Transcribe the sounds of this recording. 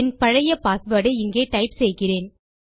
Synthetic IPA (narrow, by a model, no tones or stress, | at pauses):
ɛnpɐɻɐjɐpaːsʋɐːɽɐɪɪŋɡeːʈɐɪpsɛjɣɪreːn